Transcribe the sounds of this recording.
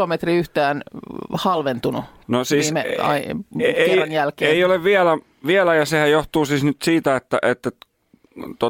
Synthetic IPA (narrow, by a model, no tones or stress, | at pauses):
omet̪riyht̪æːnhɑlʋent̪unu | nosiːisːmeɑ̰ierɑnjælkeːeioleʋʋiælæ | ʋiælæjɑsehæjjoht̪uːsiːsnyt̪siːt̪æet̪ːæʔet̪ːæ | t̪o